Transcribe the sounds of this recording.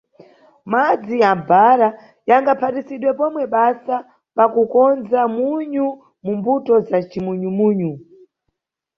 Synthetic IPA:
mad͡zijambaɾa | jaŋɡapʰatisiɗwɛpɔmwɛɓasa | pakukɔnzamuɲu | mumbutɔzat͡ʃimuɲumuːɲu

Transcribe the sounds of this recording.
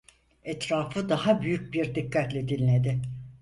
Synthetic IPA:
ɛt̪ɾaːfɯd̪aɦabyjyc̚biɾd̪ikʰːat̪lʲɛd̪ilʲːed̪ɪ

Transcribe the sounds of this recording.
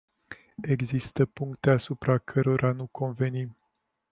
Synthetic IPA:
e̞ɡzist̪əpuŋkt̪e̞asupɾakʰəɾo̞ɾʔanukʰo̞nve̞nim

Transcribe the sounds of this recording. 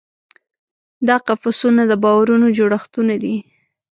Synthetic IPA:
d̪ɑqafasunad̪əbɑwaɾunod͡ʒoɽaxt̪unad̪i

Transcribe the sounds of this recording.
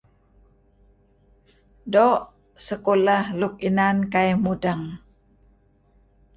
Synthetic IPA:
doʔ | səkolahluk̚inankajmudaŋ

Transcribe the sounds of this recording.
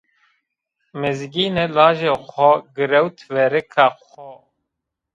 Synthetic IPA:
mɨzɡiːnelaːʒexʷɔɡɨɾɛwt̪ʰvɛɾɨkʰaxʷɔ

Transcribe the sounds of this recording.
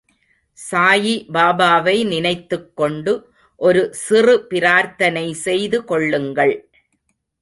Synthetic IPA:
saːjibaːbaːʋɐɪnɪnɐɪt̪ːɯkːɔɳɖɯ | ʔɔɾɯsɪrɯpɪɾaːɾt̪ɐnɐɪsɛjðɯkɔɭːɯŋɡɐɭ

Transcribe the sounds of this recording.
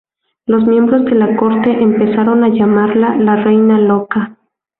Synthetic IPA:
lo̞smje̞mbɾo̞zðe̞lako̞ɾt̪e̞ʔempe̞saɾo̞naʝamaɾlalare̞jnalo̞ka

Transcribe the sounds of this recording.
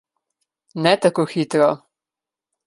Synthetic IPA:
nɛt̪akoːxit̪ɾɔ

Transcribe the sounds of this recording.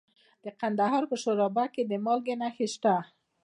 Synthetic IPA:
d̪̥eqand̪aɦɔɾpəʃoɾɔbaked̪emɔlɡenaxɪʃt̪a

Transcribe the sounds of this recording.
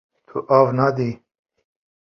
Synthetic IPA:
t̪ʰuʔavnad̪i

